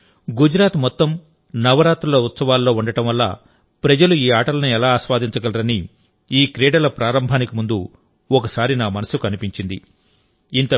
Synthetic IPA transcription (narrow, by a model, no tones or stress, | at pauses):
ɡud͡ʒɾaːt̪mɔt̪ːɐm | nɐʋɐɾaːt̪ɾulɐut̪sɐʋaːlːo̞ːuɳɖɐʈɐmʋɐlːa̰ː | pɾɐd͡ʒɐluiːaːʈɐlɐnuɛlaːsʋaːd̪iɲt͡ʃɐɡɐlɐɾɐni | iːkɾɛːɽɐlɐpɾaːɾɐmbʱaːnikimund̪u | ɔkɐsaːɾinaːmɐnɐsukɐnipiɲt͡ʃind̪ḭ | int̪ɐ